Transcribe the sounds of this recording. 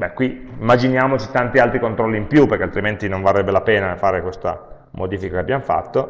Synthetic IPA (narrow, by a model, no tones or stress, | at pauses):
bɛkːwiimːad͡ʒinjaːmot͡ʃit̪ant̪ialt̪ɾikont̪ɾɔlːiːmpjupːeɾkealt̪ɾiment̪inoɱvalrːɛbːelapeːnafaːɾekwest̪a̰ | mod̪iːfikakeabːjamofa̰t̪ːo